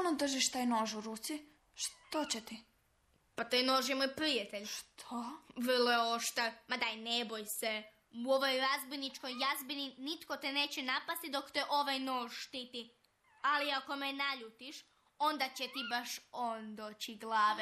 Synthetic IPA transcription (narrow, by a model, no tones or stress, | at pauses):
onod̪r̩ʒiʃt̪aːjnoʒuɾuːt̪si | ʃt̪ot͡ɕet̪i | pat̪ajno̞ːʒjemojpɾijat̪eʎʃt̪ʰoʋr̩lojeoʃt̪amad̪anebojse̞ | uo̞ʋo̞jɾazbojnit͡ʃko̞jːazbininit̪ko̞t̪ene̞ːt͡ɕenapast̪id̪o̞kt̪eʔo̞ʋajno̞ːʒʃt̪it̪i | aliako̞menaʎut̪iʃ | o̞nd̪at͡ɕet̪ibaʃond̪oːt͡ɕiɡlˠaːʋe